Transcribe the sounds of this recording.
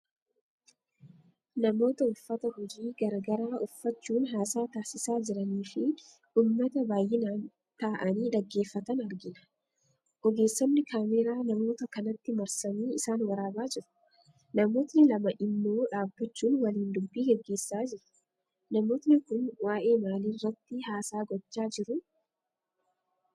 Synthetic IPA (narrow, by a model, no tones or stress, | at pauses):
nɐmo̞ːt̪ɐʊfːɐt̪ɐhɔd͡ʒiːɡɐɾɐɡɐɾaːʔʊfːɐt͡ʃːuːnɦaːsaːt̪aːsɪsaːd͡ʒɪɾɐniːfɪ | uːmːɐt̪ɐbaːjʔɪnaːn | t̪aːʔɐniːᶑɐɡːe̞ːfːɐt̪ɐnɐɾɡɪnɐ̥ | ʔɔɡe̞ːsːɔnːɪkaːmɛɾaːnɐmo̞ːt̪ɐkɐnɐt̪ːɪmɐɾsɐmiːɪsaːnwɐɾaːbaːd͡ʒɪɾʊ̥ | nɐmo̞ːt̪nɪlɐmɐʔɪnːo̞ːᶑaːbːɐt͡ʃːuːnwɐliːnd̪ʊbːiːɡɛɡːe̞ːsːaːd͡ʒɪɾʊ̥ | nɐmo̞ːt̪nɪkʊnwaːʔe̞ːmaːliːrːɐt̪ːɪhaːsaːɡɔt͡ʃːaːd͡ʒɪɾʊ